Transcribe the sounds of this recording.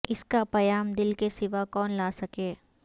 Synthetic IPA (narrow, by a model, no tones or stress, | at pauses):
ɪskapɐjaːmd̪ɪlkesɪʋakɔːnlaːsɐkeː